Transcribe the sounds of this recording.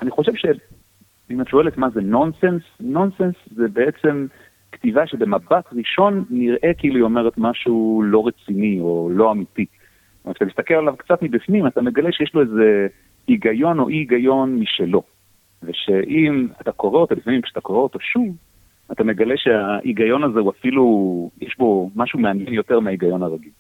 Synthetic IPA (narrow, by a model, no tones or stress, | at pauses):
ʔaniχo̞ʃevʃe | imhatʃo̞elet̪maze̞no̞nsensno̞nsenszebe̞et͡se̞m | kt̪ivaʃebe̞mabatʁiʃo̞nːiʁʔe̞kiiluio̞me̞ʁet̪maʃulo̞ʁet͡sinio̞lo̞amiti | omet̪at̪amist̪akelalavkt͡sat̪mibifnimat̪ame̞ɡaleʃejeʃloeze̞ | iɡajo̞no̞̰ʔiɡajo̞nmiʃelo̞ | veʃe̞ʔimat̪ako̞ʁeot̪olifamimkʃe̥at̪akoʁeot̪o̞ʃuv | atame̞ɡaleʃeaʔiɡajo̞naze̞uafilujeʃbo̞maʃumeanjenjo̞te̞ʁmeaiɡajo̞naʁaɡil